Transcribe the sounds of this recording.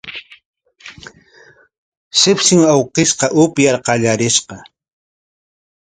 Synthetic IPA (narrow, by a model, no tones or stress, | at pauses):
sɪpsɪŋawqɪsqɑʔʊpjaɾqɑʎaɾɪʃqɑ